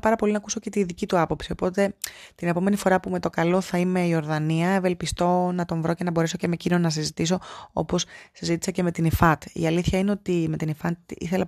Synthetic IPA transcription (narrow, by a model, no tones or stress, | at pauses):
pɐɾɐpo̞linɐkuso̞ce̞t̪iðicit̪uɐpo̞psio̞po̞t̪e̞t̪ine̞po̞me̞nifo̞ɾɐpume̞t̪o̞kɐlo̞θɐime̞io̞ɾðɐniɐeve̞lpist̪o̞nɐt̪o̞ɱvɾo̞cenɐbo̞ɾe̞so̞cemecino̞nɐs̬izit̪iso̞o̞̰po̞ssizit̪isɐce̞me̞t̪inifɐt̪ḭɐliθçɐine̞ot̪ime̞t̪inifɐt̪ḭθe̞lɐ